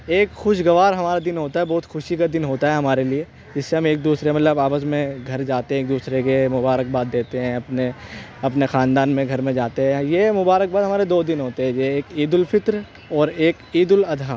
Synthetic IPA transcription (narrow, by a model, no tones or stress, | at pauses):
eːkxʊʃɡɐʋaːɾɦɐmaːɾad̪ɪnɦoːt̪aɦɛbɔːʊt̪xʊʃikad̪ɪnɦoːt̪aɦɛɦɐmaːɾelie | d͡ʒɪsːeɦɐmeːk̚d̪uːsɾemɐt̪ləbaːpəsmẽɡʱɐɾd͡ʒaːt̪eɦɛ̃eːk̚d̪uːsɾekemʊbaːɾək̚baːd̪̚ːeːt̪eɦɛ̃ɐpne | ɐpnexaːnd̪aːnmẽɡʱɐɾmẽd͡ʒaːt̪eɦɛ̃jemʊbaːɾək̚baːd̪ɦmaːɾed̪oːd̪ɪnɦoːt̪eɦɛ̃d͡ʒeeːkiːd̪ʊlfʰɪt̪ɾ | ɔːɾeːkiːd̪ʊlɐd̪ʱaː